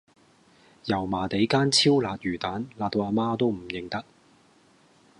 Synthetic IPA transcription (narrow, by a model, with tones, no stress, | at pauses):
jɐ˨˩wmaː˨˩t̪e˨˥jkaː˥nt͡sʰiː˥wlaː˨˧t̚jyː˨˩t̪aː˨˥nlaː˧t̪o˧aː˧maː˥t̪o˥wm̩˨˩jɪ˨˩ŋt̪ɐ˥k̚